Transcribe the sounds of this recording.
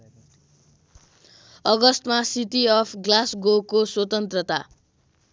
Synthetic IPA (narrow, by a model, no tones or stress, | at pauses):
ʌɡʌst̪masitiʌpʰɡlasɡokoswʌt̪ʌnt̪rʌt̪a̰